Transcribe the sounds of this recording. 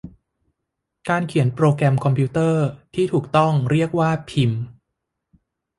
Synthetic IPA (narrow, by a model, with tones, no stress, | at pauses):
kaː˧nkʰi˩˦ənpɾoː˧kɾɛ˧mkʰɔ˧mpʰiː˧˥t̪ɤː˥˩t̪ʰiː˥˩t̪ʰuː˨˩k̚t̪ɔ˥˩ŋɾi˥˩ək̚waː˥˩pʰi˧m